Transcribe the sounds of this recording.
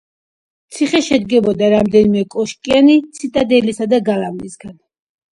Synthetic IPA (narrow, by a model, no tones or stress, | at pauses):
t̪sʰiχɛʃɛd̪ɡɛbɔd̪aɾamd̪ɛnimɛkʼɔʃkʼianit̪sʰit̪ʼad̪ɛlisad̪aɡalamnisɡan